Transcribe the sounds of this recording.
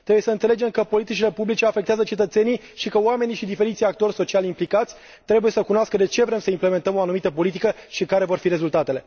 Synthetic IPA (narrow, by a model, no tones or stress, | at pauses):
t̪ɾebujesəɨnseed͡ʒe̞mkəpo̞lit̪it͡ʃile̞publit͡ʃe̞afe̞k̚t̪eazət͡ʃe̞t̪ət̪se̞ni | ʃikəoame̞niʃid̪ife̞ɾit̪sʲjakt̪o̞rʲso̞t͡ʃialʲimplikat̪sʲ | t̪ːɾe̞buje̞səkunoaskəd̪e̞t͡ʃe̞vɾe̞msəimple̞ment̪əmoanumit̪əpo̞lit̪̬ikəʃikaɾe̞vo̞rfiɾe̞zult̪at̪e̞le̞